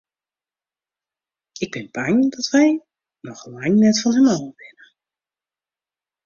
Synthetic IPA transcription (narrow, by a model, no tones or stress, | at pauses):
ɪɡ̚bɪnbaŋdɔtʋɛj | nɔxlaŋnɛtfɔnhɛmɔwʋɪnə